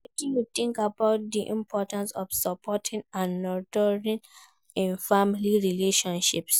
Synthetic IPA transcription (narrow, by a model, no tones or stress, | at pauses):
ɛtijutĩŋkabaʊt̚diʔḭ̃mpʰɔtãnsɔfsɔpʰɔtʰĩŋãnːɔdɔɹĩn | ĩnfamiliɹileʃɔ̃nʃips